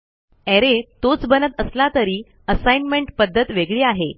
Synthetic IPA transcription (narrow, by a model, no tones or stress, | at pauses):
eɾet̪ot͡sbənət̪əslat̪əɾiː | əsajnmeɳʈpəd̪ʱːət̪ʋeɡɭiːaɦe